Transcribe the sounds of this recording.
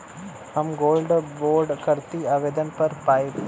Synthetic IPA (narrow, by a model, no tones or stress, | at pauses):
ɦɐmɡoːlɖboːɾɖkɐɾt̪iaːʋeːd̪ənpɐɾpaːi